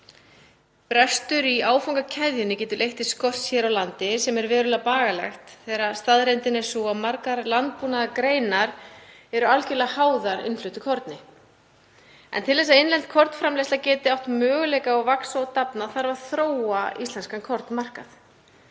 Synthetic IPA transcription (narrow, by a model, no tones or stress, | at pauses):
pɾɛst̪ʏɾiaːwfawŋkacʰɛðjʏnɪcɛːt̪ʏlʔejht̪ɪskɔsçɛɾawlant̪ɪsɛmɛɾvɛːɾʏlapaːɣalɛ̰xt̪θɛːɾast̪aðɾejnt̪ɪnɛ̥sɔamaɾkaɾlant̪̚puːnaðakɾeːjnaɾ | ɛɾʏalcɪlahaːwðaɾɪ̰nflʏt̪ʏkʰɔɾt̪nɪ | ɛ̰nt̪ʰɪlɛs̬aðejnlɛnt̪̚kʰɔɾt̪n̥fɾamlejslacɛːt̪ɪawht̪mœːɣʏlɛjkaɔɣvaksɔt̪apnaθaɾvaðθɾoːwaḭst̪lɛnskankʰɔɾt̪nmar̥ka̰θ